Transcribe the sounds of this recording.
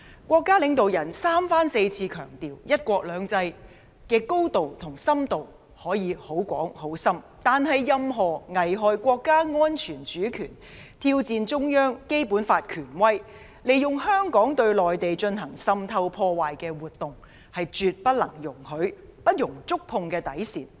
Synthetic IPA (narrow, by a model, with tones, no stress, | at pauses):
kʷɔː˧kːaː˥lɪ˨˧ŋt̪o˨wjɐ˨˩nsaː˥mfaː˥nse˧jt͡sʰiː˧kʰœː˨˩ŋt̪iː˨wjɐ˥t̚kʷɔː˧k̚lœː˨˧˥ŋt͡sɐ˧j | kɛː˧ko˥wt̪o˨wt̪ʰʊ˨˩ŋsɐ˥mt̪o˨w | hɔː˨˥jiː˨˧ho˨˥wkʷɔː˨˥ŋho˨˥wsɐ˥m | t̪aː˨nɦɐ˨jːɐ˧mɦɔː˨˩ŋɐ˨jɦɔː˨jkʷɔː˧kːaː˥ŋɔː˥nt͡ʃʰyː˨˩nt͡ʃyː˨˥kʰyː˨˩n | t̪ʰiː˧wt͡siː˨˧nt͡ʃʊ˥ŋjœː˥ŋke˥jpuː˨˥nfaː˧t̚kʰyː˨˩nwɐ˥j | le˨jjʊ˨ŋhœː˥ŋkɔː˨˥ŋt̪ɵ˧ɥlɔː˨jt̪e˨jt͡ʃɵ˧nɦɐ˨˩ŋsɐ˧mt̪ʰɐ˧wpʰɔː˧waː˨jkɛː˧wuː˨t̚t̪ːʊ˨ŋ | hɐ˨jt͡ʃyː˨˧t̚pɐ˥t̚lɐ˨˩ŋjʊ˨˩ŋhɵ˨˥ɥpɐ˥t̚jʊ˨˩ŋt͡sʊ˥k̚pʰʊ˧ŋkɛː˧t̪ɐ˨˥jsḭː˨˩n